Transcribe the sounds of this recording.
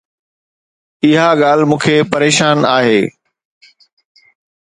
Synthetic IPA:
ɪɦaɠaːl̤mũːkʰeːpɐɾeːʃaːnaːɦeː

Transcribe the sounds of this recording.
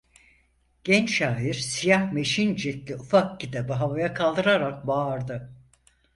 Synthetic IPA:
ɟ̥ɛnt͡ʃʃaːiɾ̥sijahme̞ʃind͡ʒɛt̪lʲiufak̚cit̪ʰabiɦavajakʰalˠd̪ɯɾaɾak̚baːɾd̪ɯ

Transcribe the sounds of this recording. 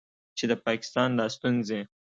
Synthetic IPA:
t͡ʃed̪əpɑkɪ̥st̪ɑnd̪ɑst̪unze

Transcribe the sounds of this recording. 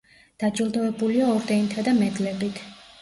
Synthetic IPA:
d̪̥ad͡ʒilˠd̪ɔɛbuliaɔɾd̪ɛnt̪ʰad̪amɛd̪lɛbit̪ʰ

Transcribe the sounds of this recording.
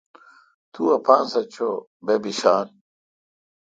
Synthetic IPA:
t̪uɐpaːnsɐt͡ɕʰo | bebiɕaːn

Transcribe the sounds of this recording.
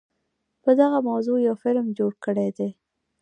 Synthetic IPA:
pəd̪aɣamawzojawfɪlmd͡ʒoɽkəɽed̪e

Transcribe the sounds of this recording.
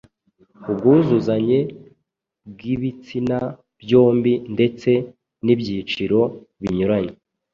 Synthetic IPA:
ub̚ɡuzuzaɲe̞ | bɡiβit͡sina | bjo̞ːmbinde̞t͡se̞ | nibɟiːt͡ʃiɾo̞βiɲuɾaɲe

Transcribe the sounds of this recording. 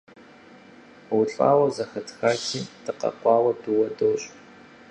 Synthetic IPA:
wʊɬʼa̰ːwɐzɐxɐtʰxaːkʰiːdʰɨqɐ̰qʷɑːwɐduwɐdoːɕʼ

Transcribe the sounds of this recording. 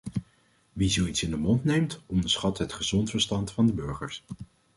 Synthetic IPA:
ʋizowitsɪndəmɔntnejmtɔndəsχɑtɦətχəzɔntfəɹstɑntfɑndəbɵɹχəɹs

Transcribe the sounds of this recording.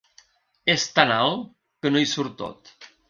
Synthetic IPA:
est̪analˠ | kənojsuɾt̪o̰t̪

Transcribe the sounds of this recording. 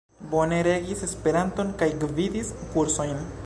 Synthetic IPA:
bo̞ne̞ɾe̞ɡise̞spe̞ɾanto̞nkajɡvidiskuɾso̞jn

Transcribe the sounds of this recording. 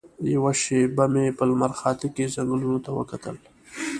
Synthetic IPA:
jawaʃebamepəlmaɾxɑːt̪ɪkezaŋɡlunot̪awə̰kat̪ə̰l

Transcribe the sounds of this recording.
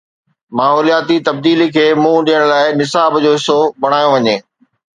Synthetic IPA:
maːɦɔːlijaːt̪it̪ɐb̚d̪iːlikʰeːmũːɗijəɽ̃laːɪnɪsaːbd͡ʑoːɦɪsoɓɐɽ̤̃aːjõʋɐɲeː

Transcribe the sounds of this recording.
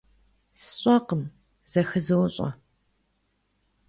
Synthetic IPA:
sɨ̥ɕʼɐqəm | z̥ɐxɨzɨwɕʼɐ̰

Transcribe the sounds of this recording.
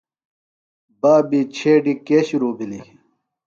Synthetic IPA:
baːbit͡ɕʰeːɖikeːɕiɾuːbili

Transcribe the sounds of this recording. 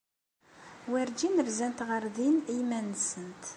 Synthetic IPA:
wæɾd͡ʒinəɾzænt̪ʁəɾðinimænsənt̪

